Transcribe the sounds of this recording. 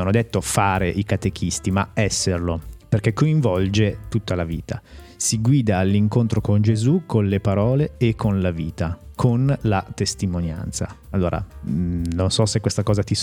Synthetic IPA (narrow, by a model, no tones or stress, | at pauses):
anːod̪et̪ːofaːɾeʔikat̪ek̟ʰist̪imaɛsːerloperkekːoĩɱvɔld͡ʒet̪ut̪ːalavḭːt̪a | siɡwiːd̪aːlːiŋkont̪ɾokond͡ʒezukonlepaɾɔːleːkʰːonlaviːt̪akʰonlat̪est̪imonja̰nt̪sa̰alːoːɾʔa̰ | nonsɔsekːwest̪akɔːzat̪is